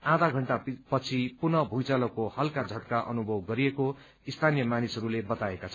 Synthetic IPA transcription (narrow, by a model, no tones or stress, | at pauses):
ad̪ʱaɡʱʌɳʈapʌt͡sʰipunʌbʱujt͡salʌkohʌlkad͡zʱʌʈkaʔʌ̰nubʱʌwɡʌɾieko | ist̪ʰanijʌmanisʌɾulebʌt̪aekat͡sʰʌ